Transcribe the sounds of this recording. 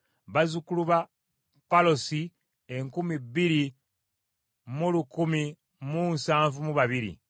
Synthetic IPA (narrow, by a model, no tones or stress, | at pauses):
βazukuluβa | palosi | eŋkumibːiɾi | mulukumi | munsaːɱvumuβaβiɾḭ